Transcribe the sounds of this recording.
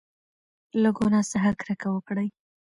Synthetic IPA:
laɡonɑsaɦaɾkɾəkawəkɽəj

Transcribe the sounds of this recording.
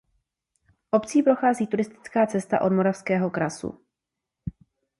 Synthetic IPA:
ʔo̞pt͡siːpɾo̞xaːziːt̪uɾɪst̪ɪ̥t͡skaːt͡sɛst̪a̰ʔo̞dmo̞ɾafskɛːɦo̞kɾasṵ

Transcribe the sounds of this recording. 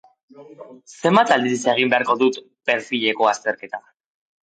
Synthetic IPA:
se̞mbat̪ald̪iɾiseɣ̞imbe̞aɾko̞ðut̪ | pe̞ɾθiʎe̞ko̞ast̪e̞ɾke̞t̪a

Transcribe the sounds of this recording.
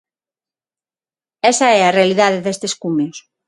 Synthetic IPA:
ɛsɐɛarealiðaðeðest̪eskumeos

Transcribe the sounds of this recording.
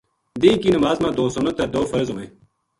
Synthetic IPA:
d̪ĩːkiːnəmaːzmãːd̪oːsʊnət̪ːɐɾd̪oːfɐɾzomẽː

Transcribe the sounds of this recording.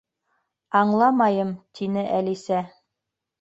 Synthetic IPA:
ɑɴlˠɑmɑjɤmt̪ʰinɘʔælisæ

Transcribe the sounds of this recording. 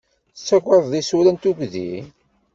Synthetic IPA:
t͡sːæɡʷəðˤðisuɾænt̪uɡðḭ

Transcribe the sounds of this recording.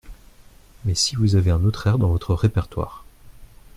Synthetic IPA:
mɛsivuzaveɛ̃not̪χɛʁd̪ɑ̃vɔt̪χəʁepɛʁt̪wa̰ːʁ

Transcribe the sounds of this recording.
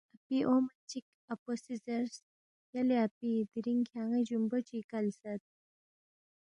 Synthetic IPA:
apiʔomt͡ɕik | əposisəɾs | jaleapid̪iɾiŋkʰjaŋə̃d͡ʑumbət͡ɕikalsat̪̚

